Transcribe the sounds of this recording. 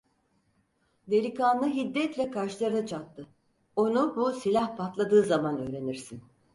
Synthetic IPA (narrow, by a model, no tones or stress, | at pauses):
d̪eɾʲikanːˠɯɦid̪ːɛt̪lʲɛkʰaɾʃlˠaɾɯnat͡ʃʰat̪ːɯ | o̞nubusilʲahpʰat̪lˠad̪ɯːzamanø̞ːɾe̞niɾsin